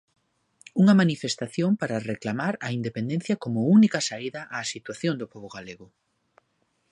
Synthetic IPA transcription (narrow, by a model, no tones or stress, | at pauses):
uŋɐmanifest̪aθjoŋpaɾɐreklamaɾɐind̪epend̪ẽn̟θjɐkomʊunikɐsaiðɐʔaːsit̪waθjond̪ʊpɔβoɣaleɣʊ